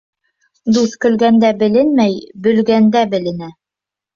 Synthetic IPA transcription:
d̪uθkɵ̆lɡænd̪æbɘ̆lɘnmæjbɵ̆lɡænd̪æbɘ̆lɘ̆næ

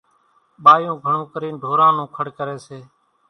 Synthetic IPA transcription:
ɓaːjũːɡʱəɳũːkəɾiːnɖʱoːɾãːnũːkʰəɽkəɾeːseː

